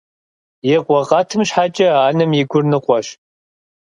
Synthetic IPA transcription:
jɛqʷɔʁɑtʰɨmɕħat͡ʃʼɐaːnɨmjɪɡʷʊrnɨqʷʼɔɕ

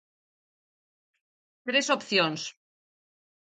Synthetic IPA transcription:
t̪ɾesopθjons

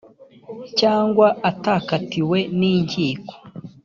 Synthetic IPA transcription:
caːŋɡwaʔataːkatiwe̞niːɲɡiːko̥

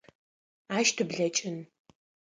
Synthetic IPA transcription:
aːʃtʰɨbɮɐt͡ʃʼɪn

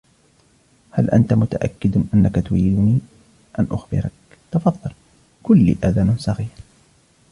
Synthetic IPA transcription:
halʔa̰nt̪amʊt̪a̰ʔa̰kːɪd̪ʔanːakat̪ʊɾiːd̪ʊniː | ʔanʔʊxbɪ̰ɾɑk | t̪ɑfɑðˤːɨl | kʊlːḭːʔaðaːnsˤɑɣiːɾ

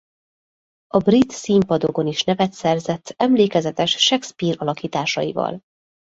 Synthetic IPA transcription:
ɒbrit̪simpɒd̪o̞ɡo̞niʃnɛvɛt̪sɛrzɛt̪ːɛmleːkɛzɛt̪ɛʃʃɛkspiːɾɒlɒkiːt̪aːʃɒ̰jivɒ̰l

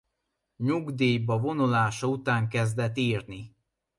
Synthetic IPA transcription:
ɲuɡd̪eːjbɒvo̞nulaːʃɒut̪aːŋkɛzd̪ɛt̪ːiːrni

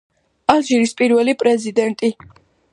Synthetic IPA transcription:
alʒiɾispʼiɾvɛlipʼɾɛzid̪ɛnt̪ʼi

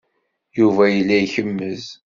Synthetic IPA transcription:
juvæjəlːæiçəmːəz

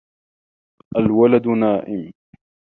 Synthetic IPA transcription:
ʔalwalad̪ʊnaːʔɪm

